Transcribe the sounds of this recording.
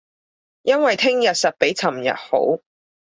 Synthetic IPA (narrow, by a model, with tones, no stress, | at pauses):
jɐ˥nwɐ˨jt̪ʰɪ˥ŋjɐ˨t̚sɐ˨t̚pe˨˥jt͡sʰɐ˨˩mjɐ̰˨t̚ho̰˨˥w